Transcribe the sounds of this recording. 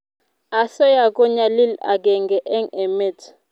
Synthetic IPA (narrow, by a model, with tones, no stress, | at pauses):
a˨sɔ˦ja˨k̬ʼɔ˦ɲa˨li˦la̰˨k̬ʼɛ˨ŋɡʱɛ˨ʔɛ˦ŋɛ˨me˦˨tʰ